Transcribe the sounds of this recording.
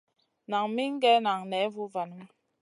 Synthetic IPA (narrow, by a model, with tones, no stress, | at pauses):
na˨ŋmi˦ŋ̩˦ɡɛ˦na˨ŋnɛ˨˦vu˦va˨nə˦m˦